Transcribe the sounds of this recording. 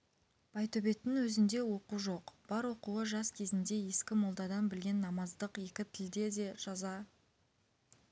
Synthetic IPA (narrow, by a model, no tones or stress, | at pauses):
b̥ɑjt̪ɵbe̞t̪ːɪŋwɵzɪnd̪e̞wo̞quʒo̞qb̥ɑɾwo̞quəʒɑskʲʰe̞zɪnd̪e̞je̞skʲɪmolˠd̪ɑd̪ɑnbɪlɡʲe̞nːɑmɑzd̪əqje̞kʲɪt̪ʰɪld̪e̞d̪e̞ʒ̥ɑzɑ